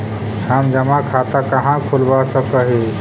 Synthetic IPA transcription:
həmd͡ʒəmakʰat̪akəɦãkʰulbasəkəɦi

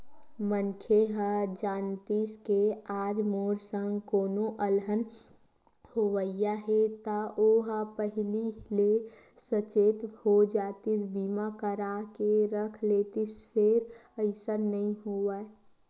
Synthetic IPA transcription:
mənkʰeɦad͡ʒaːnt̪iskeaːd͡ʒmoːɾsəŋɡkoːnoʔəlɦən | hoʋəjaɦet̪aʔoɦapəɦɪlilesət͡ʃeːt̪hod͡ʒaːt̪ɪs̬bimakəɾakeɾəkʰleːt̪ɪspʰeɾəɪsənəɦĩɦoa

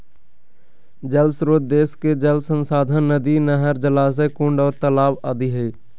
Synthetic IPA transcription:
d͡ʒəlsɾoːd̪̚d̪eːsked͡ʒəlsənsaːd̪ʱənnəd̪inəɦəɾd͡ʒəlaːs̬ekʊ̃ɳɖɔːɾt̪əlaːbaːd̪iɦeː

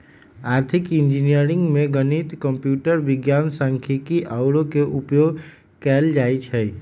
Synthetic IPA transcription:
aɾt̪ʰikind͡ʒinijəɾiŋɡmeɡənit̪kəmpjuʈəɾbiɡjansəŋkʰikiʔaʊɾokeʔupjoɡ | kɛld͡ʒajt͡ʃʰəj

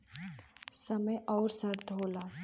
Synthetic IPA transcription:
səməjʔɔːɾsɐɾt̪ʰɦoːlaː

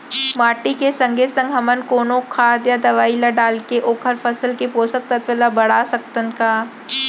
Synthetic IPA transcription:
maːʈikesɐ̃ŋɡʱesɐ̃ŋɡʱɦɐmənkoːnõkʰaːd̪jad̪ɐʋaːilaɖaːlkeʔoːkʰəɾpʰəsəlkepoːsək̚t̪ɐt̪ʋəlabɐɽ̤aːsɐk̚t̪ənkaː

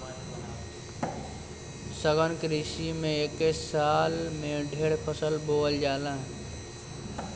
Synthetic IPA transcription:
səɡʱənkɾiʃimẽeːkesaːlmẽɖʱeːɽpʰəsəlboːəld͡ʒaːlãːɦ

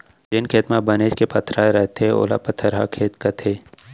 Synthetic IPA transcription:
d͡ʒɪnkʰeːt̪mabɐneːʃkepɐt̪ʰːɾaɾɛɦt̪ʰeo̰ːla̰pət̪ʰːəɾɦa̰kʰeːt̪kɐt̪ʰeː

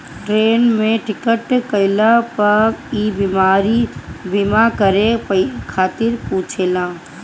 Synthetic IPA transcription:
ʈɾeːnmẽʈɪkəʈkəɪlapəiːbimaːɾibimakəɾekʰaːt̪ɪɾpũːt͡ʃʰeːlãː

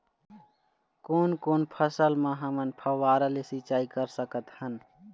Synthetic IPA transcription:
koːnkoːnpʰəsəlmãɦɐmənpʰəwaːɾəlesit͡ʃaːikəɾsəkət̪hən

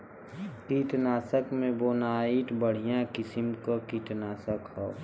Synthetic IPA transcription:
kiːʈnaːsəkmẽboːnaːiːʈbəɽ̤ijãkɪsɪmkokiːʈ̪naːsəkɦoː

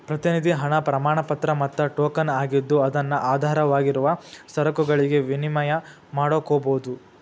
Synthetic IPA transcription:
pɾɐt̪inid̪ʱiɦɐɳɐpɾɐmaːɳɐpɐt̪ɾɐmɐt̪ːɐʈoːkɐnaːɡid̪ːuɐd̪ɐnːuʔaːd̪ʱaːɾɐʋaːɡiɾuʋɐsɐɾɐkuɡɐɭiɡe̞ʋinimɐjɐ | maːɽokːoːboːud̪u

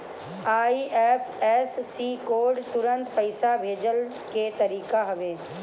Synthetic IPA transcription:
aːiːʔɛːpʰɛːsːiːkoːɾɖt̪ʊɾə̃nt̪pəɪsabʱeːd͡ʒəl | ket̪əɾiːkaɦʊʋeː

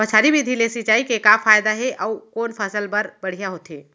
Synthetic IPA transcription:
bət͡ʃʰaːɾibʱid̪ʱilesit͡ʃaːikekafʰaːjd̪aɦɛʔaukoːnpʰəsəlpəɾbəɽ̤ijaɦoːt̪ɦeː

